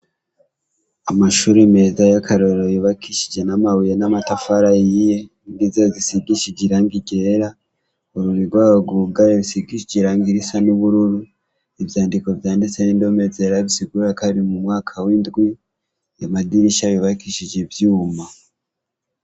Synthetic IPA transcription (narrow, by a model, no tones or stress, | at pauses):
amaʃuːɾeme̞ːzajakʰaɾoɾojoβakiʃid͡ʒe̞namawijenamatafaɾajije̞ | ndizazisiɡiʃid͡ʒiɾaŋɡiɟeɾa | oɾuɾiɡwaːβaɡuɡajeβisiɡiʃiɟiɾaŋɡiɾisanuβuɾuɾu | evjaːndiko̞vjaːndit͡senindo̞mezeɾaβisiɡuɾakaɾimumŋwaːkʰawindɡwi | amadiɾiʃajoβakiʃid͡ʒevjuːma